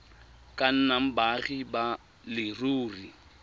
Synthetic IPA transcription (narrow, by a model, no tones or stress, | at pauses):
kʼan̩nam̩baɣiba | lɪruːri